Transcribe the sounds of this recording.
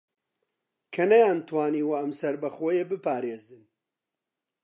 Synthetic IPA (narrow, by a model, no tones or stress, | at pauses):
kʰɐnɐjaːnt̪ʰwaːniːwɐɐmsɐɾbɐxoːjebɨpaːɾeːzɨn